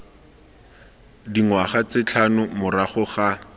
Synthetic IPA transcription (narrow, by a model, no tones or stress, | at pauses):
diŋwaχat͡sɪt͡ɬʰanʊmʊraχʊχa